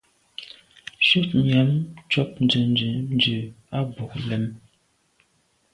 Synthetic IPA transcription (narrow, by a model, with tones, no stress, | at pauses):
ʃʉ˦˨tɲa˨˦mt͡ʃɔ˦p̚nd͡ʒə˨nd͡ʒə˨n˦d͡ʒʉ˨a˦bo˨k̚lɛ˨˦m